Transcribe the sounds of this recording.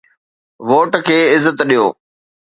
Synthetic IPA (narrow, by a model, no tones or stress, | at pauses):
ʋoːʈkʰeːɪzːət̪ɗijoː